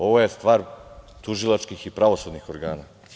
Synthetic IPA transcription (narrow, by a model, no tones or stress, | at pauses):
o̞ʋo̞jest̪ʋaːɾt̪uʒilˠat͡ʃkixipɾaʋo̞sud̪nixo̞ɾɡaːna